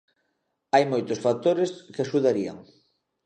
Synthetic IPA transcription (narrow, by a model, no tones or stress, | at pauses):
ajmojt̪ʊsfak̚t̪oɾeskɪaʃuðaɾia̰ŋ